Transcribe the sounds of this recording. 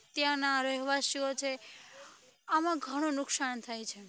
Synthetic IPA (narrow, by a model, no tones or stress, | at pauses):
t̪jãnaɾəɦʋasiot͡ʃʰe | amãɡʱəɽ̃õnʊksant̪ʰajt͡ʃʰe